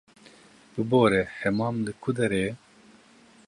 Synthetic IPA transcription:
bɨboːɾɛhɛmɑːmlɨkʰud̪ɛɾeː

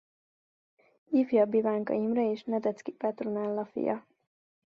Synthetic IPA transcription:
ifjɒbivaːŋkɒ̰jimrɒeːʃnɛd̪ɛt̪skipɛt̪ronɛlːɒfḭjɒ

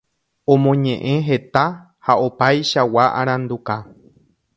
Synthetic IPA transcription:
õ̞mõɲẽʔẽ̞ɦe̞t̪a | haopajʃawaʔaɾ̃ãnd̪uka

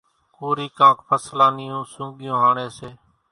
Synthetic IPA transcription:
koːɾiːkãːkʰpʰəslãːnɪjũːsʊ̃ːɠɪjõːɦaːɳẽːseː

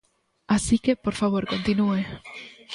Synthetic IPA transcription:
asikepoɾfaβoɾkont̪inue

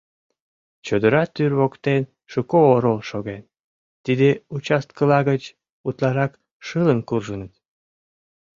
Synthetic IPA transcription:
t͡ɕod̪əɾɑt̪yrβokt̪en | ʃukooɾolʃoɣen | t̪id̪eut͡ɕɑst̪̚kəlɑɣət͡ɕ | ut̪lɑɾɑk | ʃɨlənkurʒənət̪

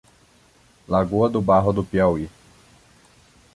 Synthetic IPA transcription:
laɡuɐd̪ʊbaɦʊd̪ʊpiawi

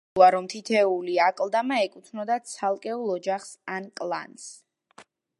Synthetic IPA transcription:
aɾɔmt̪ʰit̪ʰɛuliakʼlˠd̪amaɛkʼut̪ʰnɔd̪at̪sʰalˠkʼɛulˠɔd͡ʒaχsankʼlˠa̰ns

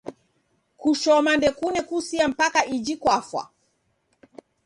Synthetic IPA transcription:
kuʃɔmandɛkunɛkusiam̩pakaʔid͡ʒikwafwa̰

